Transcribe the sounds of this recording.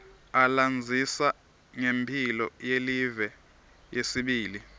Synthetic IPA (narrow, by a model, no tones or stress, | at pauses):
aland͡zʱisa | ŋempʰilɔjelivɛ | jesiɓiːli